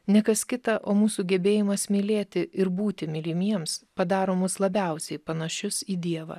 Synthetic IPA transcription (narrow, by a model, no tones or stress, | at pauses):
nʲɛkɐskʲɪt̪ɐʔoːmuːsuːɡʲɛbʲeːjɪmɐsmʲɪlʲeːt̪ʲɪʔɪɾbuːt̪ʲɪmʲɪlʲɪmʲiɛmspɐd̪ɑːɾoːmʊslˠɐbʲɛˑʊsʲɛɪpɐnɐʃʲʊsiːd̪ʲiɛʋɐ̰